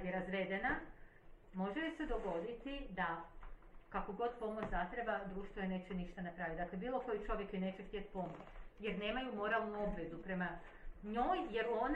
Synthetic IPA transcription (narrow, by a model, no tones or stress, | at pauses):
iɾazʋe̞d̪e̞na | mo̞ʒelise̞d̪o̞ɡo̞d̪it̪id̪a | kakoɡo̞d̪po̞mot͡ɕzat̪ɾebad̪ɾuːʃt̪ʋojene̞ːt͡ɕeniʃt̪anepɾaːʋit̪d̪aːkle̞biːlˠo̞ko̞jit͡ʃo̞ʋjekine̞ːt͡ɕekt̪iet̪̚po̞mot͡ʃt͡ɕjeɾne̞ːmajumo̞ɾaːlˠnuo̞bʋe̞zupɾe̞ma | ɲojje̞ɾuo̞n